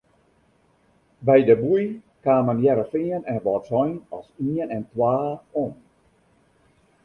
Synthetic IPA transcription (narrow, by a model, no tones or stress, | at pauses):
bɛjdəbuj | kaːmənjɛɾəfɪənɛnʋɔtsɔjnɔ̰siənɛntwaːon